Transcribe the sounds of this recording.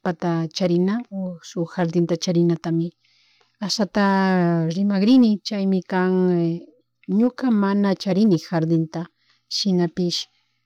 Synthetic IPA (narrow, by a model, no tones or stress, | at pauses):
pat̪at͡ʃaɾɪnaosʊxaɾd̪ɪnt̪at͡ʃaɾɪnat̪amɪ | asat̪aɾɪmaɡɾɪnɪt͡ʃajmɪkaŋ | ɲokamanat͡ʃaɾɪnɪxaɾd̪ɪnt̪a | ʃɪnapɪʃ